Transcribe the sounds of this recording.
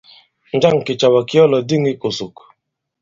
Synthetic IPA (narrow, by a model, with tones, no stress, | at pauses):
n̩˨˦d͡ʒa˦ŋ̩˨kɪ˨t͡ʃa˨wa˨kɪ˦ɔ˦lɔ˨di˦ŋɪ˦ko˨sʊ˨k